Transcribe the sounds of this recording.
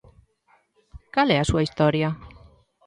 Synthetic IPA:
kalɛasuaist̪ɔɾja

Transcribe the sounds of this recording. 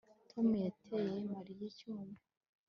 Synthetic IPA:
tʰomujatʰejemaɾijicuːma

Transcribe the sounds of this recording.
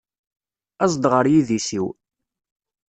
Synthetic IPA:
æzˤd̪ʁəɾjiðisiw

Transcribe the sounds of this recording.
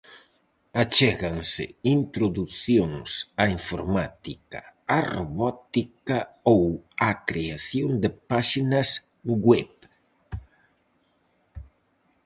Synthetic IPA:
at͡ʃɛɣaŋsɪ̰int̪ɾoðuθjoŋsaiɱfoɾmat̪ikaaroβɔt̪ikaowakɾeaθjond̪ɪpaʃinɐs | ɡwɛβ

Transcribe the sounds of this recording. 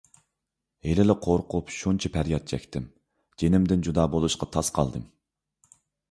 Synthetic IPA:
helɪlɪqʰoɾqʰʊpʃunt͡ʃʰipʰæɾjɑt̪̚t͡ʃʰɛ̰kʲt̪ɪm | d͡ʒenɪmd̪ɪnd͡ʒud̪ɑːbolˠuʃqɑt̪ʰɑsqʰɑ̰lˠd̪ɨm

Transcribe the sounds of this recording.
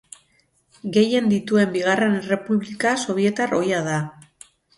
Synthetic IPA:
ɡe̞je̞nd̪it̪ue̞mbiɣare̞nere̞puβlikaso̞β̞je̞t̪aro̞jaða

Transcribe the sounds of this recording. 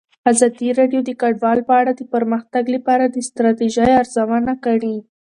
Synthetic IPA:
azɑd̪iɾɑɖjod̪əkaɖwɑlpəaɽad̪əpəɾməxt̪aɡlapɑɾad̪əst̪ɾɑt̪iʒajaɾzawanakaɽi

